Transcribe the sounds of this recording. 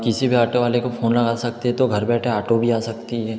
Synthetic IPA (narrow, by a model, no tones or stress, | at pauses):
kɪsibʱiaːʈoʋaːlekofʰoːnlɐɡasɐk̚t̪eɦɛ̃t̪oɡʱɐɾbɛːʈʰeaːʈobʱiaːsɐkt̪iɦɛː